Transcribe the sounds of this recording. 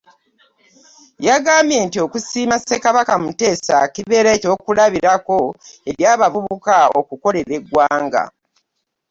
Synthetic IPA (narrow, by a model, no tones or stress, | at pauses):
jaɡaːmbje̞ntio̞ːkusiːmase̞kaβakamute̞ːsakiβe̞ɾeco̞ːkulaβiɾako̞e̞ɾjaːβavuβukao̰kuko̞le̞ɾe̞ɡwaːŋɡa̰